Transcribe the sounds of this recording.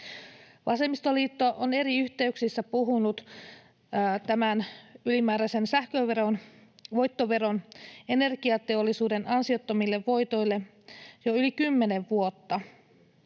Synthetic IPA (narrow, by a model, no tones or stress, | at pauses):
ʋɑse̞mist̪oliːt̪ːoʔone̞ɾiyçt̪e̞yksisːæpuɦunut̪ː | t̪æmænylimæːɾæjse̞nsæhkøʋeronʋo̞jt̪ːo̞ʋe̞ɾo̞nene̞rɡ̥iɑt̪e̞olːisuːde̞nɑnsio̞t̪ːomilːe̞ʋːo̞jt̪o̞jlːe̞ | jo̞ylikymːe̞ne̞ʋːuo̞t̪ːɑ